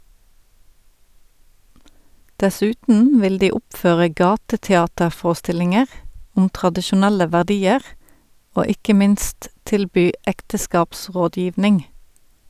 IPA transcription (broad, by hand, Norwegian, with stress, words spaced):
dɛˈsʉːtn̩ ˈʋɪl ˈdiː ˈɔpˌføːʁə ˈɡɑːtətɛˌɑːtəʁˌfoːʁəˌstɪlɪŋəʁ ˈʊm tʁɑdɪʃʊˈnælə ʋæʁˈdiːəʁ ˈoː ˈɪkə ˈmɪnst ˈtɪlˌbyː ˈɛktəˌskɑːpˌsʁoːˌdjiːʋnɪŋ